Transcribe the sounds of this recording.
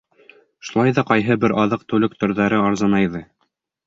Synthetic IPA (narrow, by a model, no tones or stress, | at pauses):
ʃu̥lˠɑjðɑqɑjɦɤbɘɾɑðɤqt̪ɵ̆lɘk̚t̪ɵ̆ɾðæɾɘɑɾzɑnɑjðɤ